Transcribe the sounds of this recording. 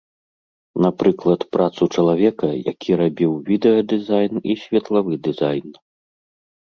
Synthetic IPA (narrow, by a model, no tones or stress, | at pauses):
napɾɨklˠɐt̪pɾat̪sut͡ʂɐlˠavʲɛkɐja̰kʲʰiɾabʲiwvʲid̪ɛjɐd̪ɨzajnisʲvʲɛt̪lˠavɨd̪ɨzajn